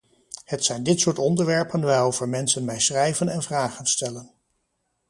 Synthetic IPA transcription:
hətsɛjndɪtsʊːɹtɔndəɹʋɛɹpənʋaːjowv̥əɹmɛnsənmɛjsrɛjvənɛnvraːχənstɛlən

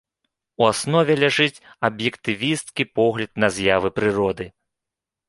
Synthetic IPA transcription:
uasnɔvʲɛlʲaʐɨt͡sʲɐbjɛkt̪ɨvʲist̪kʲipɔɣlʲɐd̪̚nɐzʲjavɨpɾɨɾɔd̪ɨ

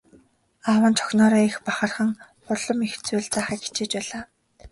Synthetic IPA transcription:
awə̆nt͡ɕʰɔ̥xnɔːɾɔːixpaχə̆rχə̆ŋ | χʊɮɞ̆mixt͡sujːɮt͡saːχə̆ːkɡi̥t͡ɕeːt͡ɕpæːɮaː

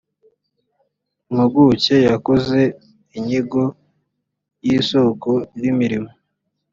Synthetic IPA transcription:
umuɡuce̞jakoze̞ | iɲiɡo | jiːso̞kojimiɾimo

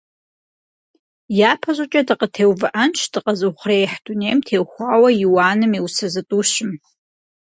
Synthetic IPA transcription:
japʰaʒʷat͡ʃʼadɨqʼətʰewvɨʔant͡ʃʷʰdɨqʼazɨχʷrejħdunejmtʰewχʷawajuwanɨmiwsazɨtʼuʃɪm

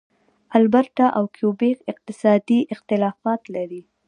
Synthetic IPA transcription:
albaɾʈ̪aʔawkʰjobekɪq̚t̪ɪsɑd̪iʔɪxt̪ɪlɑfɑt̪laɾi

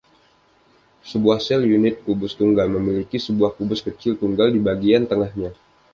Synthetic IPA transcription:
səbuahsɛljunɪt̪̚kubʊst̪uŋɡalməmilikisəbuahkubʊskət͡ʃɪlt̪uŋɡaldibaɡiant̪əŋahɲa

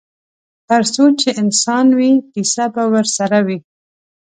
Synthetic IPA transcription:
t̪əɾsot͡ʃeʔɪnsɑnwikisabawəɾsaɾawi

